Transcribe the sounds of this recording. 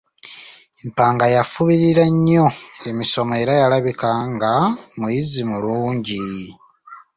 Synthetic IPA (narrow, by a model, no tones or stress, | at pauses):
mpaːŋɡajafuβiɾiɾaɲːo̞e̞miso̞moe̞ɾajalaβikaŋɡamujizimuluːɲɟi